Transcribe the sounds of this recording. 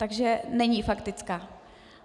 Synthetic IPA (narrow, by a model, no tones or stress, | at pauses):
t̪aɡʒɛnɛɲifakt̪ɪt͡skaː